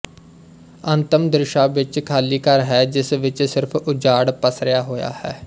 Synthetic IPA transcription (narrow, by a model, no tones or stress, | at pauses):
ənt̪əmd̪ɾɪʃaːʋɪt͡ʃkʰaːliːkəɾɦɛːd͡ʒɪsʋɪt͡ʃsɪɾpʰʊd͡ʒaːɽpəsɾɪjaːɦoːja̰ːhɛː